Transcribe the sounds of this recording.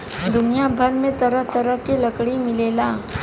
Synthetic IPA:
d̪ʊnijabʱəɾmẽt̪ɐɾəɦt̪əɾəɦkelɐkɽimɪleːlaː

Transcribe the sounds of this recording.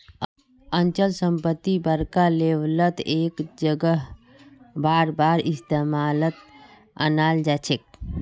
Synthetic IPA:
ənt͡ʃəlsəmpət̪ːibəɾkalewlət̪eːkd͡ʒəɡəɦ | baːɾbaːɾɪst̪emaːlət̪ | ə̰naːld͡ʒat͡ʃʰek̚

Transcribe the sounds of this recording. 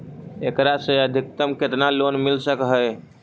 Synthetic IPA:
ekɾasẽəd̪ʱik̚t̪əmket̪nalonmilsəkɦəj

